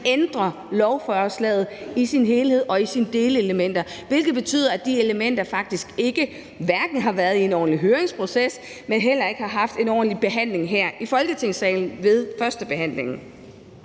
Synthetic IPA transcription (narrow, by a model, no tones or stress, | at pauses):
end̥ʁɐ | lɒʊfœːɐslɛ̰ːð̞̩ˠisinɦe̝ːlhe̝ð̞̰ˠɒ̽isind̥e̝ːləeləmen̰d̥ɐʋe̝lɡ̥ð̩ˠb̥e̝t͡sʰy̰ːðˠɐæd̥ie̝ləmen̰d̥ɐfɑ̈ɡ̥̚d̥isɡ̥e̝ɡ̥ə | ʋæɐɡ̥n̩ɦɑ̈ʋæɐð̞ˠie̝nɒ̰ːn̩liɦøːɐeŋspʰʁo̝ses | menɦel̰ɐe̝ɡ̥hɑ̈ɦɑ̈fd̥e̝nɒ̰ːn̩lib̥e̝ɦæn̰le̝ŋɦeɐ̰ifɒ̽lɡ̥ət͡sʰe̝ŋ̰sɛ̰ɪln̩ʋe̝ðˠfɶɐsd̥əb̥e̝hæn̰le̝ŋn̩